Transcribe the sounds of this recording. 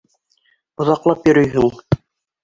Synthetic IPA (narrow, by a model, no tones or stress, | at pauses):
ŏðɑqlˠɑpjɵ̆ɾɵ̆jɦɘŋ